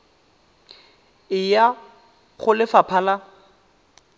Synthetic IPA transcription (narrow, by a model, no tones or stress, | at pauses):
ɪja | χʊlɪfapʰala